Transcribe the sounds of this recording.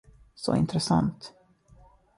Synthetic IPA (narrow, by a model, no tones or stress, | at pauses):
sɔ̰ɪnt̪ɾɛsa̰nt̪